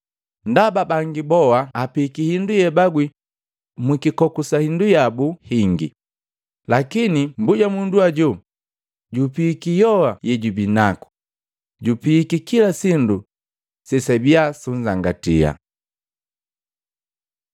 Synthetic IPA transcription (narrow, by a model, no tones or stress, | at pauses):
ndababaŋɡibɔhaːpiːkihindujɛbaɡwi | mwikikɔkusahindujabuhiŋɡḭ | lakinimbuɟamunduaɟu | ɟupiːkijɔwajɛɟubinaku̥ | ɟupikikilasindu | sɛsabiasuɲzaŋɡatḭa̰